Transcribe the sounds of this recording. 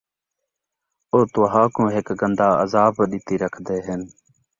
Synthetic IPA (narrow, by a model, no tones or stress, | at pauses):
oːt̪oːɦãːkũːɦɪkɡənd̪ʱaːəzaːbɗɪːt̪iːɾəkʰd̪eːɦən